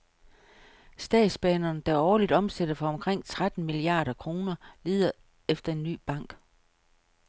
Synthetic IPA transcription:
sd̥ɛ̰ːd̥sb̥ɛːnɐːnd̥æɒːlid̥ɒ̽msed̥ɐfɒ̽ɒ̽mkʰʁeŋ̰t͡sʰʁad̥n̩miliɑ̰̈ːɾ̥ɐkʰʁo̝ːnɐliːð̞ˠɐ | efd̥ɐe̝nːy̰ːb̥ɑ̈ŋ̰ɡ̥

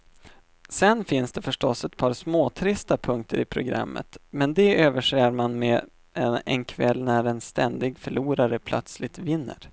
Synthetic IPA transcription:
sɛnfɪnsd̪ɛfœʂʈɔsɛt̪̚pʰɑːɾsmoːt̪ʰɾɪst̪apʰɵŋk̚t̪ʰəɾɪpʰɾʊɡɾa̰mːə̰t̪mɛnd̪ɛøːvəʂeːaɾmanmɛ | ɛ̰nkʰvɛlːnæɾɛnst̪ɛnd̪ɪɡfœɭuːɾaɾəpʰlœ̰t̪slɪt̪vɪnːə̰ɾ

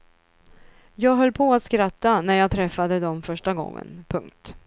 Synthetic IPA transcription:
jɑːɡɦœlːpʰɔat̪skɾat̪ːanæɾjɑːɡt̪ʰɾɛfːad̪əd̪ɔmfœʂʈaɡɔ̰ŋːə̰npʰɵŋk̚t̪

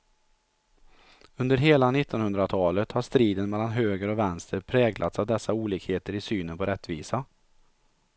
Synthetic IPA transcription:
ɵnd̪əɾɦeːlanɪt̪ːɔnhɵnd̪ɾat̪ʰɑːlət̪haʂt̪ɾiːd̪ənmɛlːanɦøːɡəɾɔvɛnst̪ʰəɾpʰɾɛːɡlʔa̰t̪savd̪ɛsːauːliːkheːt̪əɾɪsyːnənpɔɾɛt̪ːviːsa

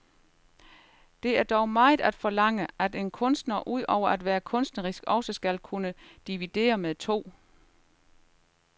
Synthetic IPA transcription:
d̥e̝æɐd̥ɒʊmɑ̈ːð̩ˠæd̥fɒ̽lɑ̈ŋ̰əæd̥e̝nkʰɔ̽nsd̥nɐʔuð̞̰ˠɒʊɐæd̥ʋæːɐkʰɔ̽nsd̥nəʁisɡ̥ɒ̽səsɡ̥ælkʰunəd̥iʋid̥e̝̰ːɐmeðˠt͡sʰo̝̰ː

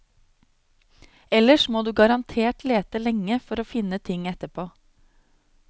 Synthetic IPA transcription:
ɛləʂmoːd̪ʉːɡɑɾɑnt̪ʰeːʈleːt̪əlɛŋːəfɔɾoːfɪnət̪ʰɪŋɛt̪əpʰoː

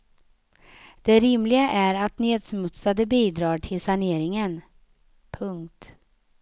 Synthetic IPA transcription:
d̪̥ɛɾɪmlɪɡaʔæɾat̪neːd̪smɵt̪sad̪əbiːd̪ɾɑːʈʰɪlsaneːɾɪŋən | pʰɵŋkt̪

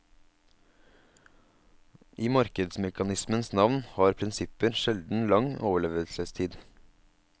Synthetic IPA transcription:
ʔiːmɑɾkəd̪smɛkɑnɪsmənsnɑʋnhɑːɾpʰɾɪnsɪpəɾʃɛld̪n̩lɑŋoːʋəɭeːʋəlsəst̪ʰiːd̪

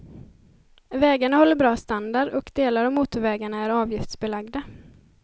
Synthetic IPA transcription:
vɛːɡaɳahɔlːəɾbɾɑːst̪and̪aɖɔkd̪eːlaɾɔvmuːt̪ʊvɛːɡaɳaæɾɑːvjɪft̪sbɛlaɡd̪a

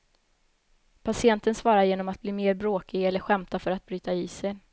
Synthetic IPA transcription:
pʰasɪɛnt̪ənsvɑːɾaɾjeːnɔmat̪̚bliːmeːɾbɾoːkɪɡɛlːəɾɧɛmt̪afœɾat̪̚bɾyːt̪aiːsɛj

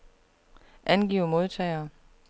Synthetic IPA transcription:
ʔænɡ̥ḭːʊmo̝ðˠt͡sʰɛɪ̰ɐː

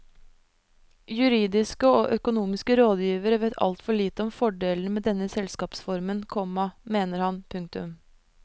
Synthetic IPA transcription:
jʉɾiːd̪ɪskəoːʔœkʊnuːmɪskəɾoːd̪jiːʋəɾəʋɛt̪ʰɑ̰lt̪fɔɭiːt̪əɔmfɔɖeːln̩meːd̪ɛnːəsɛlskɑːpsfɔɾmənkʰɔmɑmeːnəɾhɑnpʰʉŋk̚t̪ʉ̰m

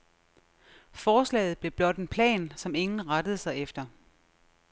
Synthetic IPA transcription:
fɒːslɛ̰ːɪð̞̩ˠb̥le̝b̥lɒ̽d̥e̝npʰlɛ̰ːnsɒ̽me̝ŋn̩ʁɑɾ̥əð̞̩ˠsɑ̈ɪefd̥ɐ

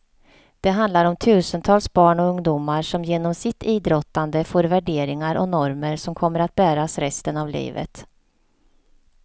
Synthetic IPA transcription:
d̪̥ɛɦand̪laɾɔmt̪ʰʉ̟ːsənt̪ʰɑːlsbɑːɳɔɵŋd̪uːmaɾʂɔmjeːnɔmsɪt̪iːd̪ɾɔt̪ːand̪əfoːɾvæɖeːɾɪŋaɾʔɔ̰nɔɾməɾsɔmkʰɔmːəɾat̪̚bæːɾasɾɛst̪ənavlḭːvə̰t̪

